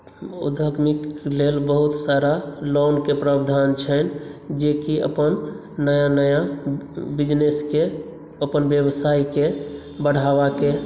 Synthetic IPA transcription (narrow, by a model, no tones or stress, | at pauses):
ṵd̪ʱəɡmiklelbəɦut̪saɾalonkepɾəbd̪ʱant͡ʃʰənd͡ʒekiə̰pən | nəjanəja | bid͡ʒneske | əpənbjəbsaike | bəɽ̤aʋake